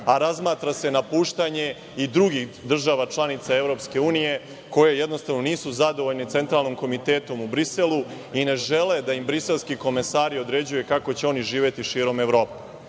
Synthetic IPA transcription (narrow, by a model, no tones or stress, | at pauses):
aɾazmaːt̪ɾase̞napuːʃt̪aɲe̞ | id̪ɾuɡixd̪r̩ʒaʋat͡ʃlˠanit̪sae̞ʋɾo̞ːpske̞uːnije̞ | ko̞jejed̪nost̪aʋno̞niːsuzad̪oʋo̞ʎnit̪se̞nt̪ɾaːlˠnimko̞mit̪eːt̪o̞mubɾise̞lˠu | ine̞ʒele̞d̪aimbɾise̞lˠskiko̞mesaːɾio̞d̪ɾe̞d͡ʑujekako̞t͡ɕe̞o̞niʒiːʋje̞t̪iʃiːɾo̞me̞ʋɾo̞ːpe